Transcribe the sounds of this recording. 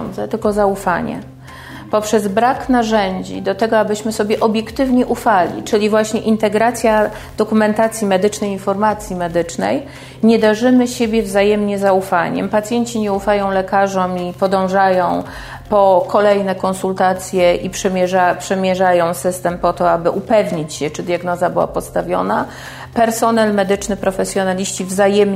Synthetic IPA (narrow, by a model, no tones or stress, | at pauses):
nd̪zɛt̪ɘlkɔzaufa̰ɲɛ̰ | pɔpʂɛzbɾaknaʐɛɲd͡ʑḭd̪ɔt̪ɛɡɔabɘɕmɘsɔbʲjɛʔɔbʲjɛkt̪ɘvɲɛʔufalʲḭt͡ʂɘlʲivwaɕɲɛʔint̪ɛɡɾat̪sʲja | d̪̥ɔkumɛnt̪at̪sʲjimɛd̪ɘt͡ʂnɛjinfɔɾmat̪sʲjimɛd̪ɘt͡ʂnɛ̰j | ɲɛd̪aʐɘmɘɕebʲjɛvzajɛmɲɛzaufa̰ɲɛ̰mpat̪sʲjeɲt͡ɕiɲɛufajɔ̃w̃lɛkaʐɔmipɔd̪ɔ̃w̃ʐajɔ̃w̃ | pɔkʰɔlɛjnɛkɔnsult̪at̪sʲjɛʔipʂɛmʲɛʐapʂɛmʲjɛʐajɔ̃w̃sɘst̪ɛmpɔt̪ɔabɘʔupɛvɲit͡ɕɕɛt͡ʂɘd̪ʲjaɡnɔzabɘwa̰pɔt̪st̪avʲjɔ̰na | pɛɾsɔnɛlmɛd̪ɘt͡ʂnɘpɾɔfɛsʲjɔnalʲiɕt͡ɕivzajɛm